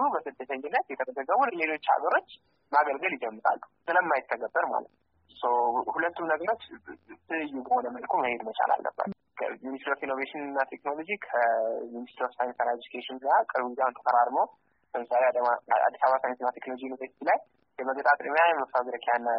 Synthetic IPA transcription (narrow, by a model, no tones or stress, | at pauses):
ubəsɨd̪ːət̪ʰəɲːbɨnːat̪jɛt̪ʰəbəd̪əɡːəmunle̞lo̞t͡ʃːa̰ɡəɾo̞t͡ʃː | maɡəlɡəljɪd͡ʒɛmːɨɾa̰lːusɨləmːajɪt̪ʰːəɡəbːəɾma̰lə̰t̪nu | səwhulət̪ːumnəɡəɾot͡ʃːt̪ʰɨlɨjːubəho̞nəməlkʰuməhed̪mət͡ʃa̰la̰lːə̰bːə̰t̪ː | kʰə̰minist̪ɾofinːoveʃɪnɨnːat̪ʰekno̞lo̞d͡ʒikʰəminist̪ɾofsajnst̪alaiikʰeʃɪnakʼɨɾwzawnt̪ʰəfəɾaɾmow | bəmɨsalea̰d̪ːisaβasajt̪ɨnːat̪ʰeknolod͡ʒinːoveʃlaj | jəməɡt̪ʼat̪ʼimjajɛməft̪ʰawzɾəkʰeanːa